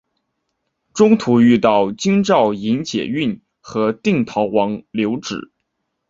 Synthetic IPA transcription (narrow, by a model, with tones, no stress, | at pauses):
ʈ͡ʂʊ˥ŋt̪ʰu˧˥y˥˧t̪ɑ˥˩ʊt͡ɕi˥ŋʈ͡ʂɑ˥˩ʊi˧˥ŋt͡ɕjɛ̰˨˩y˥˩n | xɤ˧˥t̪i˥˩ŋt̪ʰɑ˧˥ʊwɑ˧˥ŋljo˧˥ʊʈ͡ʂɻ̩̰˨˩˦